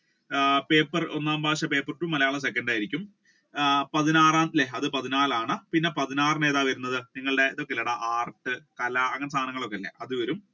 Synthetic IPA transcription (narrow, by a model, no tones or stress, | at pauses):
pe̞ːpːɐro̞̰nːaːmbʱaːɕɐpe̞ːpːɐrɨʈːumːɐlɐjaːɭɐs̬e̞kːɐɳɖaːjiɾikʲːum | pɐðinaːraːnleɐðɨpɐðinaːlaːɳɨpinːe̞pɐðinaːrɨneːðaːʋɐɾunːɐðɨniŋːɐɭɨɽe̞iðo̞kːelːiɽɐʔaːrʈːɨkɐlɐɐŋːɐnesaːnɐŋːɐɭo̞kːeɐlːḛʔɐðuʋɐɾum